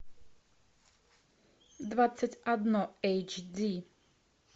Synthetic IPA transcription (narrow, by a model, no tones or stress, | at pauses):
d̪vat͡sːacʲad̪nɔɛjt͡ʃd̪i